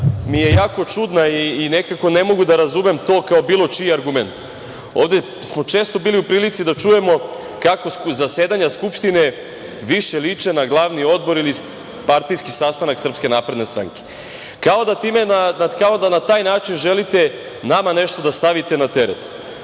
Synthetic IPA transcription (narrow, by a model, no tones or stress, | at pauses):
mije̞jaːko̞t͡ʃud̪naiːne̞kako̞ne̞mo̞ɡud̪aɾazume̞mt̪o̞ːkao̞biːlo̞t͡ʃijeaɾɡume̞nt̪ | o̞ːʋd̪e | smo̞t͡ʃe̞ːst̪o̞biːliupɾiːlit̪sid̪at͡ʃuje̞mo̞ | kako̞szaseːd̪aɲaskupʃt̪ine̞ | ʋiʃe̞lit͡ʂenaɡlˠaʋnio̞d̪bo̞ɾili | paɾt̪ijskisast̪anaksr̩pske̞naːpɾe̞d̪ne̞st̪ɾa̰ŋke̥ | kao̞d̪at̪iːmenaakao̞d̪anat̪aːjnaːt͡ʃinʒelit̪e̞ | namane̞ʃt̪o̞d̪ast̪aʋit̪e̞nat̪e̞ɾḛt̪